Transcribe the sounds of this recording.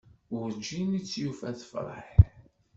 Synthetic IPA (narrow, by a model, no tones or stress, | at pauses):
ʊɾd͡ʒːinit͡sːjufæθə̥fɾˤɑ̰ħ